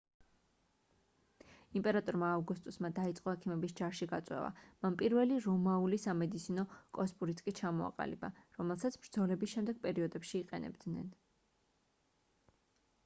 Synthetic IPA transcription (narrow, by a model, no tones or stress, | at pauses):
impʼɛɾat̪ʼɔɾmaːvɡust̪ʼusmad̪ait̪sʼqʼɔɛkʰimɛbisd͡ʒaɾʃiɡat̪sʼwɛ̰va̰manpʼiɾvɛliɾɔmaulisamɛd̪it̪sʰinɔkʼɔspʼuɾit̪sʰkʼit͡ʃʰamɔa̰qʼa̰lḭbaɾɔmɛlˠsat̪sʰb̥ɾd̪zɔlɛbisʃɛmd̪ɛɡ̥̚pʼɛɾiɔd̪ɛpʃiːqʼɛ̰nɛ̰bd̪nɛ̰n